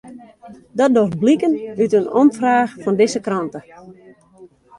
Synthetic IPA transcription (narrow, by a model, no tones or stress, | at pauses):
dɔt̚dorblikənytənɔmfraːxfɔndɪzəkrɔntə